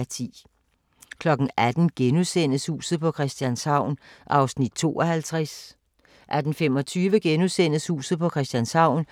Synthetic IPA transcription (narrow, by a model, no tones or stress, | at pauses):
t͡sʰḭː | kʰlɒ̽ɡ̥n̩ʔæd̥n̩ɡ̥enusen̰əshṵːsð̩ˠpɒ̽kʰʁɛsd̥jænshɑ̈ʊ̰nʔɑ̈ʊsnid̥̚t͡sʰo̝̰ːɒhælt͡sʰʁas | ʔæd̥n̩femɒ̽t͡sʰyːʋəɡ̥enusen̰əshṵːsð̩ˠpʰɒ̽kʰʁɛsd̥jænshɑ̈ʊ̰n